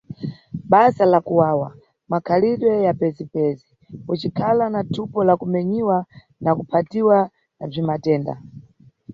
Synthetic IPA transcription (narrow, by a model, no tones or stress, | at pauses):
ɓazalakuwaːwa | makʰaliɗwɛjapɛzipɛzi | kut͡ʃikʰalanatʰupɔlakumɛɲiwa | nakupʰatiwa | nab͡ʐimatɛːnda̰